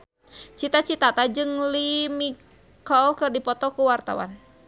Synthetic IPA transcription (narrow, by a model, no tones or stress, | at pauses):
t͡ʃit̪at͡ʃit̪at̪ad͡ʒɨŋlimi | kɔlkɨrdipɔt̪ɔkuwart̪a̰wa̰n